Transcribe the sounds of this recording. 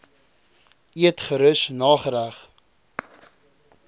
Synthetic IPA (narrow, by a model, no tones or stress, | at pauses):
iətχəɾəsnɑːχəɾæχ